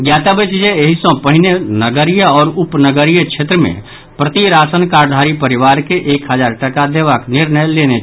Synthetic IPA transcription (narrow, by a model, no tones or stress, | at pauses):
ɡjaːt̪abət͡ʃd͡ʒeeɦisɔ̃pəɦɪnenəɡəɾijəɔːɾʊpnəɡəɾijəkʃʰeːt̪ɾəmḛ̃ | pɾət̪iɾaːsənkaːɾd̪ʱaːɾipəɾɪʋaːɾkeʔeːkɦəd͡ʒaːɾʈəkad̪eːʋaknɪɾnəjleːne